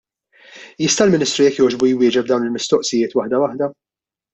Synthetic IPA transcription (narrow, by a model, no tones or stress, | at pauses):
jɪst̪ɐlmɪnɪːst̪ɾujɛkːjɔːd͡ʒbujwɪːd͡ʒɛb̚d̪ɐwnɪlmɪst̪ɔʔsɪjɪːt̪wɐħd̪ɐwɐħd̪ɐ